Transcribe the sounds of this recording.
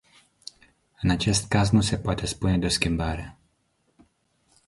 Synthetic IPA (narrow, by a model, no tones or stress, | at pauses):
ɨnat͡ʃe̞st̪kaznuse̞poat̪e̞spuned̪eoskʲimbaɾe